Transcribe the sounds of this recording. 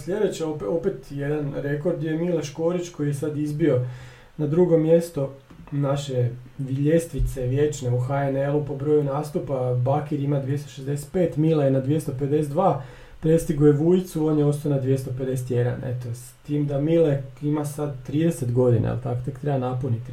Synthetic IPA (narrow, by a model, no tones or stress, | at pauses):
slʎʲe̞d̪et͡ɕeoopet̪je̞d̪anɾe̞ko̞ɾd̪jemileʃkoːɾit͡ɕko̞jijesad̪izbio̞ | nad̪ɾuɡo̞mje̞st̪o̞ | naʃe̞ʋiʎest̪ʋit̪seʋjet͡ʃneuxaenelˠupo̞bɾo̞junaːst̪upabakiɾimad̪ʋjest̪oʃezd̪e̞set̪̚pe̞ːt̪milˠajenad̪ʋijest̪oped̪e̞set̪d̪ʋaː | pɾe̞st̪iɡojeʋujt̪suo̞njeo̞st̪oajonad̪ʋjest̪oped̪e̞set̪je̞d̪a̰nḛt̪ost̪iːmd̪amileimasad̪t̪ɾiːd̪eset̪ɡo̞d̪inʔa̰a̰lt̪akot̪ekt̪ɾebanaponit̪i